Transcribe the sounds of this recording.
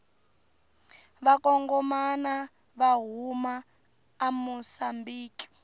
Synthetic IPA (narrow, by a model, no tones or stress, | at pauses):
βakɔŋɡɔmana | βaɦumaː | musambiːki̥